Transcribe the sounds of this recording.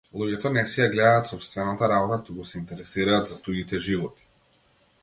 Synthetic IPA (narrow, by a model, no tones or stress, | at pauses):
lˠuɟɛt̪ɔnɛsɛjaɡlɛd̪aːt̪sɔpst̪vɛnat̪aɾabɔt̪at̪ukusɛint̪ɛɾɛsiɾaːd̪zat̪uɡit̪ɛʒivɔt̪i̥